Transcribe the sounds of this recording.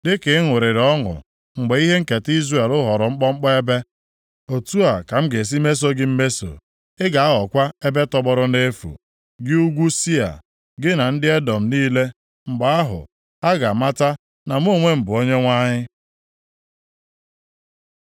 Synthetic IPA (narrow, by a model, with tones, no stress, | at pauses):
dɪ˦kɪ˨˦ŋʊ˨ɾɪ˨ɾɔ˦ŋʊ̰˨ | ŋ͡m̩˨ɡ͡be˨˦i˦ɦe˦ŋ̩˦ke˨ti˦zre˨lʊ˦ɦɔ˨ɾʊ˨ŋ͡m̩˦k͡pɔ˦ŋ͡m̩˦k͡pɔ˦e˦be˦ | o˨tu˦a˨ka˨m̩˦ɡe˨s̬i˦me˦s̬o˦ɡɪ˦m̩˦me˦so̰˨ | ɪ˦ɡa˨a˦ɔ˨kʷa˦e˦be˦tɔ˦bɔ˦ɾʊ˦ne˦fṵ˨ | ɡɪ˦u˦ɡʷu˦si˦a̰˨ | ɡɪ˦na˨n̩˦dɪ˦e˦dɔ˨m̩˨niː˦le˦ | ŋ͡m̩˨ɡ͡ba˨a˦ɦʊ̰˨ | a˦ɡa˨ma˦ta˦ | na˨m˦o˦˨ŋʷe˦m̩˨bʊ˨o˦ɲe˦ŋʷa˦ɲɪ˦